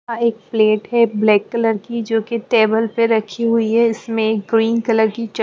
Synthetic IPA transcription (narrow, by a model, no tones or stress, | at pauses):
aeːk̚pleːʈɦɛblɛːkːɐləɾkid͡ʒoːkeʈeːbəlpeɾɐkʰiɦʊiɦɛɪsmẽːkɡɾiːnkɐləɾkit͡ʃ